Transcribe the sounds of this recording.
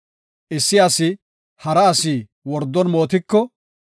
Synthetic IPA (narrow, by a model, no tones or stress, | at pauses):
ʔɪsːɪɐsɪ | hɐɾɐːsiː | wɔɾd̪ːɔnmo̞ːt̪ɪkːɔ